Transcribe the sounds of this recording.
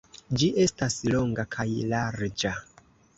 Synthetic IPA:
d͡ʒiʔe̞staslo̞ŋɡakʰajlaɾd͡ʒa

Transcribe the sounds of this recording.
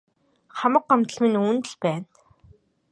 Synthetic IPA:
χamə̆qɢamt̪ə̆ɮminuːnt̪ɘ̆ɮpæːn

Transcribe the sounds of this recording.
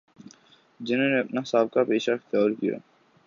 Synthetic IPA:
d͡ʒɪnɦõːneɐpnaɦɪsaːb̚kapeːʃat̪jɔːɾkija̰ː

